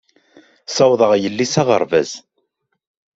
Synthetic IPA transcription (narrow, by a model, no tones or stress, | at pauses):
sɑwðˤəʁjəlːisaʁə̰ɾˤvæ̰z